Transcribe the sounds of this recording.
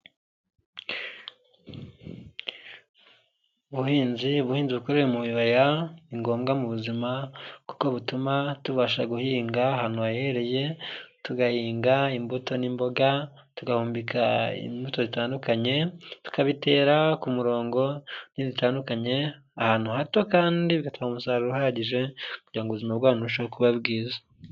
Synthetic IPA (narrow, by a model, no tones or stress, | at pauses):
uβuhiːnziuβuhiːnziβukoɾeɾemujuβajaiŋɡo̞ːmɡamuβuzimaku̥ko̞βutumatuβaʃaɡuhiːŋɡaɦanuajeɾeje̞tuɡahiːŋɡaimbuto̞nimbo̞ɡa | tuɡahuːmbikʰaḭmbuto̞zitaːndukaɲe̞tu̥kaβite̞ːɾakumuɾo̞ːŋɡo̞nizitaːndukaɲe̞ | ahaːn̥uhato̞kaːndiβiɡataaumusaːɾuɾuhaɾaɟiʒe̞kuɟiɾaŋɡuβuzimabɡwaːnuʃookuβabɡiːza